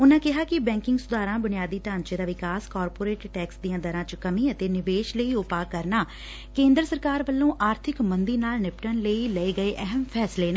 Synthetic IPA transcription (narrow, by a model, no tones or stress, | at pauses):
ʊnãːkɪɦaːkɪbɛ̃ːŋkɪŋɡsʊd̪aːɾãːbʊnɪjaːd̪iːt̪ãːnt͡ʃeːd̪aːʋɪkaːskaːɾpoːɾeːʈʈɛːksd̪ijãːd̪əɾãːt͡ʃəkəmĩːət̪eːnɪʋeːʃləiːʊpaːkəɾnaː | kẽːnd̪ɾəsəɾkaːɾʋəlːõːʔaːɾt̪ʰɪkmənd̪iːnaːlnɪpʈənləiːləeːɡəeːʔɛɦəmpʰɛːsleːnẽː